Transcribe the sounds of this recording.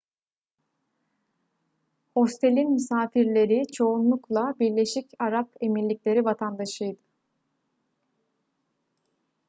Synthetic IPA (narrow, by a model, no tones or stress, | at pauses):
ho̞st̪ʰe̞lʲinmysaːfiɾlʲe̞ɾit͡ʃʰo̞unlˠuklˠabiɾlʲe̞ʃicaɾape̞milʲiclʲe̞ɾivat̪ʰand̪aʃɯjd̪ɯ